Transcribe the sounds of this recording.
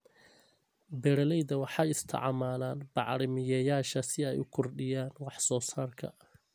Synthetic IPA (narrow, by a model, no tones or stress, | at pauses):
bɛɾɐlɛjðɐwɑħɑjɪst̪ʰɑ̰ʕɑmaːlaːnbɑʕɾɪmɪjɛːjaːʃɐsɪɛjʊ̰kʰɔrɖɪjaːnwɑħsɔːsaːrkʰɐ̰